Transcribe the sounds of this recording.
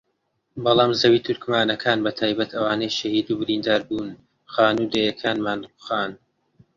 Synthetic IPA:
bɑlˠɑːmzɐwiːt̪ʰʊɾkmaːnɐkʰaːnbɐt̪ʰaːjbɐt̪ʰɐwaːnɐjʃɐhiːd̪uːbɪɾiːnd̪aːɾbuːn | χaːnuːd̪ejɐkʰaːnmaːnʊ̥xaːn

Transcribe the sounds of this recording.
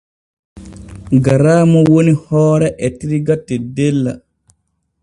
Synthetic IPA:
ɡaɾaːmɔwonihɔːɾɛʔɛtiɾiɡatːɛdɛlːa

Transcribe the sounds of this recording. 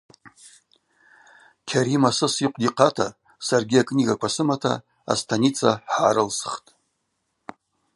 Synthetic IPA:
kʲʰaɾimasɨsiqʷʰʼdiqʰatʰa | sarɡʲiakʼnʲiɡakʷʰasɨmatʰa̰ | a̰stʰanit͡sʰaħħaːɾɨlsχtʼ

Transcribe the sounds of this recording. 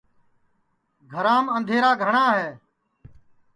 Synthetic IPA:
ɡʱəɾãːmənd̪ʱeːɾaːɡʱəɳãːɦeː

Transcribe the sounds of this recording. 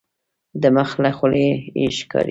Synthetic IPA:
d̪əməxlaxuleḛʃkɑ̰ɾi

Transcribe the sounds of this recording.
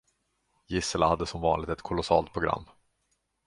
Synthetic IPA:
jɪsəlahad̪ːəsɔmvɑːnlɪɡ̚t̪ɛt̪kʰʊlʊsɑːlt̪̚pʰɾʊɡɾa̰mː

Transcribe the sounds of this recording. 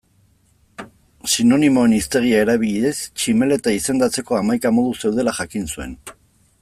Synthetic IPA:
sino̞nimo̞enist̪e̞ɣiae̞ɾaβ̞iʎiest͡ʃime̞le̞t̪aise̞nd̪at͡se̞ko̞amajkamo̞ð̞use̞wð̞e̞laʝakinsue̞̰n

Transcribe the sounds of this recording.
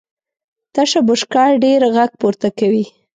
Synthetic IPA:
t̪aʃabʊʃkɑɽɖeɾɣaɡ̚poɾt̪akawi

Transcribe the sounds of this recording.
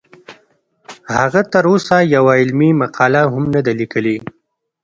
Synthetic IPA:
haɣat̪əɾosajawaɪlmimaqɑlaɦʊmnad̪alikəli

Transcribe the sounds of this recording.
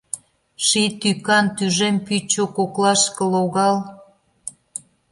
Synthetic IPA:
ʃit̪ykɑnt̪yʒempyt͡ɕokoklɑʃkə̆loɣɑl

